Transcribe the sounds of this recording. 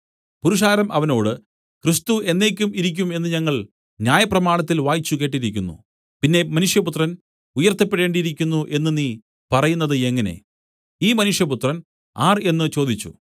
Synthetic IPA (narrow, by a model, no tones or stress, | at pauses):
puɾuʂaːɾɐmʔɐʋɐno̞ːɽɨ | krist̪ue̞nːe̞ːkʲːumiɾik̬ʲːume̞nːɨɲɐŋːɐɭ | njaːjɐprɐmaːɳɐt̪ːilʋaːjit͡ɕːuke̞ːʈːiɾikʲːunːṵ | pinːe̞mɐnuʂjɐput̪rɐn | ujɐrt̪ːɐpːeɽe̞ːɳɖiɾikʲːunːuʔe̞nːɨniː | pɐrɐjunːɐðɨe̞ŋːɐne̞̰ | iːmɐnuʂjɐput̪rɐn | aːre̞nːɨt͡ɕo̞ːd̪it͡ɕːṵ